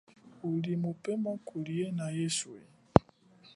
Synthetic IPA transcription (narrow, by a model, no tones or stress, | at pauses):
ulimupɛmakʰulienajeswḛ